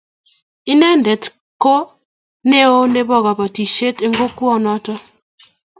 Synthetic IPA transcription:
i˦nɛ˦ndɛ˨t | ko˦ | ne˦o˦ne˦bɔ˦˨ɣa˨ba˨ti˨ʃe˦te˦ŋɡo˦kwɔ˦nɔ˦tɔ˦

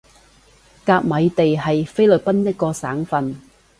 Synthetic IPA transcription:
kaː˧k̚mɐ˨˧jt̪e˨jɦɐ˨jfe˥jlɵ˨t̚pɐ˥njɐ˥t̚kɔː˧saː˨˥ŋfɐ˧n

